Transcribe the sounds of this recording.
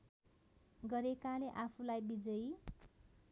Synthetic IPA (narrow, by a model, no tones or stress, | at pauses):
ɡʌɾekaleʔapʰulajbid͡zʌj